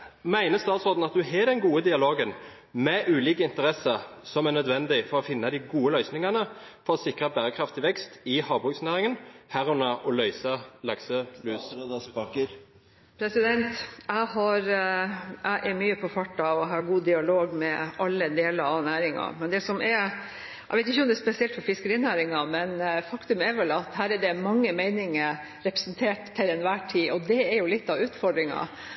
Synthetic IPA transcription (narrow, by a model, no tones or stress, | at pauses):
mæɪnəst̪ɑːt̪sɔd̪n̩ɑt̪̚d̪ʉɦɛɖ̪ɛnɡuːəd̪ɪɑloːɡən | mɛʔʉːliːkəɪnt̪əɾɛsəɾsɔmænœd̪ʋɛnd̪ɪfɔɾɔfɪnːɑd̪ɪɡuːəlœʏsnɪŋɑnəfɔɾɔsɪkɾəbæːɾəkʰɾɑft̪ɪʋɛkst̪ɪhɑːbʁʉːksnæːɾɪŋənhæʁʉnɑʔɔlœʏsɑlɑksəlʉːs | pʰɾɛsɪd̪ɛnt̪æɪhɑɾ | ʔæɪʔɛɾmyːəpʰɔfɑʈːɑʋɔɦɑɡuːd̪ɪɑloːɡmɛɑlːəd̪eːləɾɑnæːɾɪŋɑ̰mɛnd̪ɛsɔmʔɛ | ʔæ̰ʋɛɪt̪ɪçːəɔmd̪ɛspɛsɪɛlt̪fɔɾfɪskəɾiːnæːɾɪŋɑmɛnfɑkt̪ʉmɛɾʋɛlɑt̪ɦæːɾɛɖɛmɑŋːəmɛɪnɪŋə | ɾɛpɾəsnt̪ʰeːʈt̪ʰːɪlɛnʋæːʈʰiːɔd̪ɛɛɾjʊlɪt̪ːɑʋʉːt̪fɔɖɾɪŋɑ̰